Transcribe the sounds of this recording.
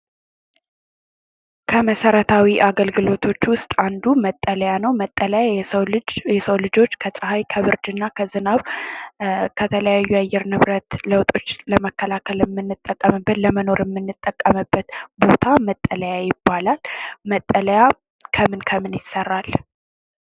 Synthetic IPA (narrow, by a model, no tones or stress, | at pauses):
kʰəməsəɾət̪ʰawiʔaɡəlɡɨlo̞t̪ʰo̞t͡ʃːwʊst̪ʼand̪umət̪ʼːələjanəwmt̪ʼːələja | jɛsəwlɨd͡ʒo̞t͡ʃːkʰəsʼəɦajkʰəβɨɾd͡ʒ̪ɨnːakʰəzɨnaβ | kʰət̪ʰələjajːuajːɛɾnɨβɾət̪ləwt̪ʼo̞t͡ʃːləməkːəlakʰələmːɨnːɨt̪ʼːəkʼːəmɨbːət̪ləməno̞ɾɪmːɨnːɨt̪ʼːəkʼːəmɨbːət̪bo̞t̪ʰamət̪ʼːələjajɪbːalalmət̪ʼːələja | kʰəmɨnkʰəmɨnjɪsːərːal